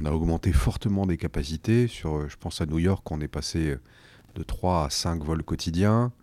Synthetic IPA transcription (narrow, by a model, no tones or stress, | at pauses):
ɔ̃naɔɡmɑ̃t̪efɔʁt̪əmɑ̃d̪ekapasit̪esyʁøʒəpɑ̃sanujɔʁkɔ̃nɛpaseø | d̪̥ət̪χwaːsɛ̃kvɔlkɔt̪ʰid̪jɛ̃